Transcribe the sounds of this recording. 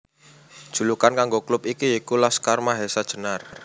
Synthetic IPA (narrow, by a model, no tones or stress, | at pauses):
d̥ʒ̥ṳlukankaŋɡoklʊpikiikulaskarmaɦesad̥ʒ̥ə̤nar